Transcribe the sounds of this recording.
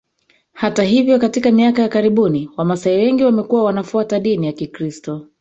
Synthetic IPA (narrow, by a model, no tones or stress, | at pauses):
hataɦivjɔkatikamiakajakaɾiɓuniwamasaiwɛŋɡiwamɛkuwawanafuataɗinijakikɾistɔ